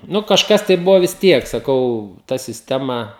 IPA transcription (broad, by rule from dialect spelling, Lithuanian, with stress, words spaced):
ˈnʊ kɐʃˈkɐs tɐɪ ˈbʊʋoː ʋʲɪs ˈtʲiɛk sɐˈkɐʊ ˈtɐ sʲɪsʲˈtʲæːmɐ